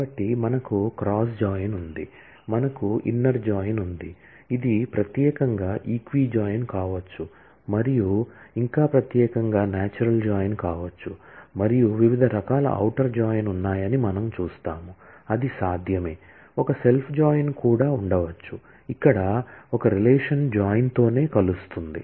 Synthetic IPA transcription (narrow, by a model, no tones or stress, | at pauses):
bɐʈːimɐnɐkukɾaːs̬d͡ʒaːjnund̪i | mɐnɐkuḭnːɐɾd͡ʒaːjnund̪i | id̪ipɾɐt̪jɛːkɐŋɡaːʔiːkʋiːd͡ʒaːjnkaːʋɐt͡ʃːu | mɐɾijuiŋkaːpɾɐt̪jɛːkɐŋɡaːnaːt͡ʃuɾɐld͡ʒaːjnkaːʋɐt͡ʃːumɐɾijuʋiʋid̪ʱɐɾɐkaːlɐ̰ʔɐ̰wʈɐɾd͡ʒaːjnunːaːjɐnimɐnɐmt͡ʃuːst̪aːmuɐd̪isaːd̪ʱjɐme̞ː | ɔkɐse̞lpʰd͡ʒaːjnkuːɽaːuɳɖɐʋɐt͡ʃːu | ikːɐɽɐɔkɐɾilɛːʂɐnd͡ʒaːjnt̪o̞ːne̞ːkɐlust̪und̪ḭ